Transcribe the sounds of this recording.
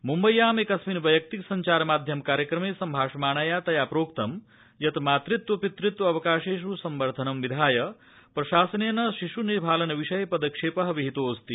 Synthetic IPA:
mumbɐjːaːmeːkɐsminʋɐjɐk̚t̪iksɐɲt͡ʃaːɾmaːd̪ʱjɐmkaːɾjɐkɾɐmeːsɐmbʱaːʂɐmaːnaːjaːt̪ɐjaːpɾoːkt̪ɐm | jɐt̪maːt̪ɾit̪ʋɐpit̪ɾit̪ʋɐɐʋɐkaːʂeːʃɾusɐmʋɐɾd̪ʱɐnɐmʋid̪ʱaːjɐ | pɾɐʃaːsɐneːnɐʃiʂuniɾbʱaːlɐnɐʋiʂɐjpɐd̪ɐkʂeːpɐɦɐʋiɦit̪oːst̪i

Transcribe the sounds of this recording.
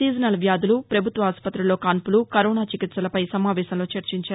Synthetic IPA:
iːd͡ʒɐnɐlɐʋjaːd̪ulupɾɐbʱut̪ʋɐaːspɐt̪ːɾuloːkaːnpulukɐɾɔːnaːt͡ʃikit̪sɐlɐpɐjsɐmaːʋɛːsɐmlo̞ːt͡ʃɐɾt͡ʃiɲt͡ʃaːɾ

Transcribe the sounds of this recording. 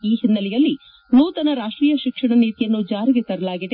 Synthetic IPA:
iːɦinːɐlɛjɐlːi | nuːt̪ɐnɐɾaːʂʈɾiːjɐʃikʂɐɳɐniːt̪ijɐnːud͡ʒaːɾiɡet̪ɐɾɐlaːɡid̪e

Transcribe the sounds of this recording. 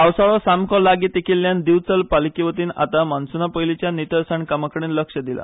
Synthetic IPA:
awsaɭɔsamkʰɔ̃laɡiːt̪ekʰilːjand̪iʋt͡səlpalikiʋət̪iːna̰t̪amansunapəjlit͡ɕjanit̪əɾsaɳkamakəɽiːnləkʂəd̪ila̰

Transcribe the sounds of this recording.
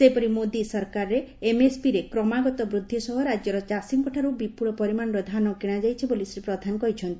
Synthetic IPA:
sepɔɾimod̪isɔɾkaɾɔɾeːmespiɾekɾɔmaɡɔt̪ɔbɾud̪ʱːisɔɦɔɾad͡ʒjɔɾɔt͡ʃasiŋkɔʈʰaɾubipuɽ̃ɔpɔɾimanɔɾɔd̪ʱanɔkiɽ̃ad͡ʒajt͡ʃʰibolisɾipɾɔd̪ʱanɔkɔɾit͡ʃʰɔnt̪i

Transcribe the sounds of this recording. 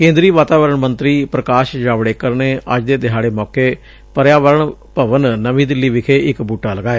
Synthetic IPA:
kẽːnd̪ɾiːʋaːt̪aːʋəɾəɳmənt̪ɾiːpɾəkaːʃd͡ʒaːʋɽeːkəɾneːʔə̰d͡ʒd̪eːd̪ɪɦaːɽeːmɔːkeː | pəɾjaːʋəɾəɳpəʋənːəʋĩːd̪ɪlːiːʋɪkʰeːʔɪkbuːʈaːləɡaːeː

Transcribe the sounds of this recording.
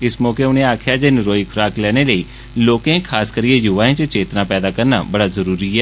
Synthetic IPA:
ɪsmɔːkeːʊnẽːaːkʰjaːd͡ʒenɪɾoːikʰʊɾaːklɛːñeːləiː | loːkẽːkʰaːskəɾiejʊʋaːẽːt͡ʃət͡ʃeːt̪ɾãːpɛːd̪aːkəɾna̰ːbəɽaːzəɾuːɾiːɛː

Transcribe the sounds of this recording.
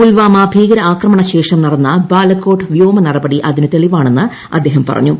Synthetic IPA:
ulʋaːmɐbʱiːɡɐɾɐaːkrɐmɐɳɐɕe̞ːʂɐmnɐɽɐnːɐbaːlɐkːo̞ːʈɨʋjoːmɐnɐɽɐbɐɽiʔɐðinɨt̪eɭiʋaːɳe̞nːɨ | ɐ̰d̪ːe̞ːɦɐmpɐ̰rɐ̰ɲːu

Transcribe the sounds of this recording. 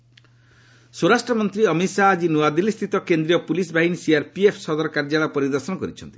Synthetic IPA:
suɾasʈɾɔmɔnt̪ɾiʌmisaːd͡ʒinuad̪ilist̪ʰit̪ɔkend̪ɾijɔpulis̬baɦinisiaɾpiepʰsɔd̪ɔɾɔkaɾd͡ʒaɭapɔɾid̪ɔɾsɔnɔkɔɾit͡ʃʰɔnt̪i̥

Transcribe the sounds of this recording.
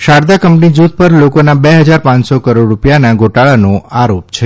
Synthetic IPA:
ʃaɾd̪akəmpnid͡ʒud̪̚ʱpəɾlokonabeɦəd͡ʒaɾpãɲsokəɾoɖɾupjanaɡʱoʈaɭanoaɾopt͡ʃʰe

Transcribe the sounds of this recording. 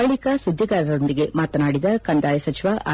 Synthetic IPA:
ɐɭikasud̪ʱːiɡaːɾɐɾo̞nd̪iɡe̞maːt̪naːɽid̪ɐkɐnd̪aːjɐsɐt͡ʃiʋaʔa̰

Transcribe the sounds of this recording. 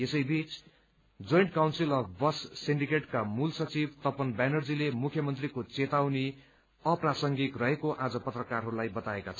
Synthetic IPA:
esʌjbit͡s | d͡zojɳʈkawnsilʌpʰbʌssiɳɖikeʈkamulsʌt͡sibt̪ʌpʌnbanʌrd͡zilemukʰjʌmʌnt̪rikot͡set̪awni | ʌprasʌŋɡit̪rʌɦekoʔad͡zʌpʌt̪rʌkarɦʌɾulajbʌt̪aekat͡sʰʌ

